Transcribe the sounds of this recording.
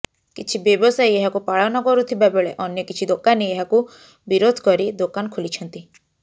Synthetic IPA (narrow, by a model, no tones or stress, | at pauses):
kit͡ʃʰibjɔbɔsajeɦakupaɭɔnɔkɔɾut̪ʰibabeɭeʔɔnjɔkit͡ʃʰid̪okaneeɦaku | biɾod̪ʱkɔɾid̪okankʰulit͡ʃʰɔnt̪i